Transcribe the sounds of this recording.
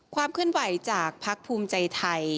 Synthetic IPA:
kʰwaː˧mkʰɯ˥˩ənwa˩˦jt͡ɕaː˨˩k̚pʰa˦˥k̚pʰuː˧mt͡ɕa˧jt̪ʰa˧j

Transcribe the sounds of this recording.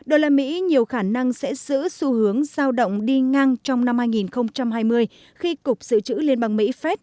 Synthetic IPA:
ɗo˨˩jlaː˨˩mḭ˧˥ɲi˨˩əwxaː˧˩na˧ŋsɛ̰˧˥z̥ɨ̰˧˥su˧hɨ˨˦əŋz̥aː˧wɗə̰˧˨wŋ͡mɗi˧ŋa˧ŋt͡ɕɔ˧wŋ͡mna˧mhaː˧jŋi˨˩nxə˧wŋ͡mt͡ɕa˧mɦaː˧jmɨ˧əj | xi˧kʊ˨˩k͡p̚z̥ɨ̰˧˨t͡ɕɨ̰˧˥li˧ənɓaː˧ŋmḭ˧˥fɛ˦˥t̚

